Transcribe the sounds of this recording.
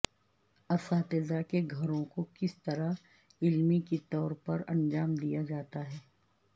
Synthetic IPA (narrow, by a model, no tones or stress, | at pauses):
ɐsaːt̪ɪzakeɡʱɐɾõkokɪst̪ɐɾa | ɪlmikit̪ɔːɾpɐɾɐ̰̃nd͡ʒaːmd̪ijad͡ʒaːt̪aɦɛː